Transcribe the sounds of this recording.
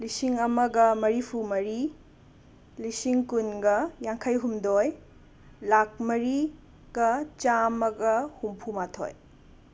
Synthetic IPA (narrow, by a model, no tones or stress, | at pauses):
lisiŋɐmɐɡɐmɐɾipʰumɐɾi | lisiŋkunɡɐjaŋkʰɐjɦumdoj | lak̚mɐɾi | ɡ̥ɐt͡ʃamɐɡɐhumpʰumatʰo̰j